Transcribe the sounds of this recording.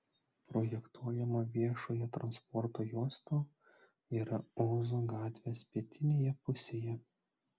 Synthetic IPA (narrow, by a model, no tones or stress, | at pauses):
pɾoːjɛkt̪uɔjɛmɐʋʲiɛʃoːjɛt̪ɾɐnspɔɾt̪oːjuːsʲt̪oː | iːɾɐoːzoːɡɑːt̪ʲʋʲeːspʲiɛt̪ʲɪnʲeːjɛpʊsʲeːjɛ